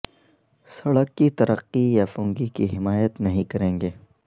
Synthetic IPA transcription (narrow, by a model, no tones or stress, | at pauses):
sɐɽəkːit̪ɐɾəqːijafõːŋɡikiɦɪmaːjət̪nɐɦĩkɐɾẽːŋɡeː